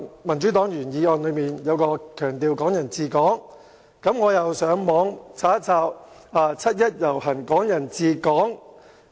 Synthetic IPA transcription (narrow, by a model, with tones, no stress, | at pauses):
mɐ˨˩nt͡ʃyː˨˥t̪ɔː˨˥ŋjyː˨˩njiː˨˧ɔː˧nlɵ˨˧ɥmiː˨njɐ˨˧wkɔː˧kʰœː˨˩ŋt̪iː˨˧wkɔː˨˥ŋjɐ˨˩nt͡siː˧kɔː˨˥ŋ | kɐ˨˧˥mŋɔː˨˧jɐ˨wsœː˨˥ŋmɔː˨˥ŋt͡sʰaː˨˥t͡saː˧w | aː˨˧t͡sʰɐ˥t̚jɐ˥t̚jɐ˨˩whɐ˨˩nkɔː˨˥ŋjɐ˨˩nt͡siː˧kɔː˨˥ŋ